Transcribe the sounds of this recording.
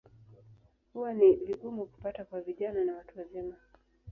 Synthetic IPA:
huwaniviɠumuku̥patakwaviʄananawatuwazima

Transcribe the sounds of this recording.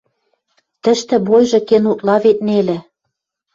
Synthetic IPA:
t̪ə̆ʃt̪ɘ̆bojʒɤ̆kenut̪lɑβet̪̚nelĕ

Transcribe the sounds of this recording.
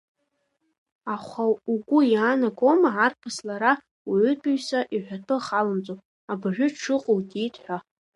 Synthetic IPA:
aχʷauɡʷʊjaːnaɡʼomaʕarpʰaslaɾa | wʕʏtʼuɥsaʔiħʷᶣatʰɨχalɨmt͡sʼopʼ | abʒᶣʷʊʈ͡ʂʰɨqʼʊlɡʲitʰʼħʷᶣa

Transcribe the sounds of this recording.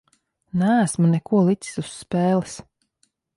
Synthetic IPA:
næsmunɛkuɔlˠit̪si̥susːpeːlis

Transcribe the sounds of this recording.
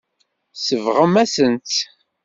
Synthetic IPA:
səvʁəmæsənt̪

